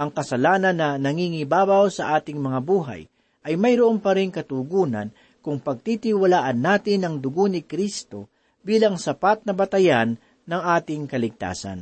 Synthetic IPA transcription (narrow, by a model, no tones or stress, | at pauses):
ʔɐŋkɐsɐlaːnɐnːɐnɐŋiŋɪbaːbawsɐʔaːt̪ɪŋmɐŋabuːɦa̰j | ʔɐjmɐjɾʊʔompɐɾɪŋkɐt̪ʊɡuːna̰n | kʊŋpɐɡ̚t̪it̪iwɐlaːʔɐnːaːt̪ɪnɐŋd̪ʊɡonɪkɾist̪o̞̰ | biːlɐŋsɐpat̪̚nɐbɐt̪ɐjanː | ɐŋʔaːt̪ɪŋkɐlɪɡ̚t̪a̰ːsa̰n